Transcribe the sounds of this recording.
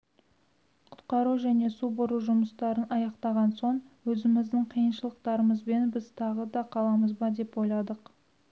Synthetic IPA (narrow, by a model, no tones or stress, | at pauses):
qʰʊ̥t̪qɑɾuʒæne̞subʊɾuʒʊməst̪ɑɾənʔɑjɑqt̪ɑʁɑnso̞ɴwɵzɪmɪzd̪ɪɴqʰijənʃəlˠəq̚t̪ɑɾəməzbe̞nbɪzt̪ʰɑʁəd̪ɑqʰɑlˠɑməzbɑd̪e̞pwo̞jlˠɑd̪əq